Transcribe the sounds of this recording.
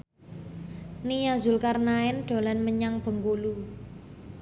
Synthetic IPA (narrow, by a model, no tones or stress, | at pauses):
nijazʊlkarnaɛnɖ̪̥o̤lanməɲaŋb̥ə̤ŋkulu